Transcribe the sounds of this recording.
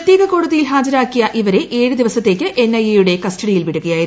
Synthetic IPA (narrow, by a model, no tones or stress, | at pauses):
t̪ːjiːɣɐko̞ːɽuðɐjilɦaːd͡ʑɐɾaːkːijɐʔiʋɐɾe̞ʔeːɻɨd̪iʋɐsɐt̪ːe̞ːkʲːɨʔe̞nːɐjejuɽe̞kɐstɐɽijilʋiɽuɣɐjaːji